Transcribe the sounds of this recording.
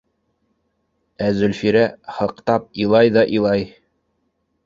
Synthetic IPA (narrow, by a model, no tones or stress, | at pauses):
æzɵ̆lfiɾæhɤ̆qt̪ɑp̚ilˠɑjðɑʔilˠɑj